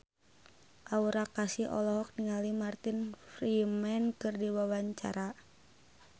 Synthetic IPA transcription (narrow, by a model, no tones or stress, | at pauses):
ʔauɾakasiʔɔ̰lɔɦɔk̚niŋalimart̪infɾimɛnkɨrdiwawaɲt͡ʃa̰ɾa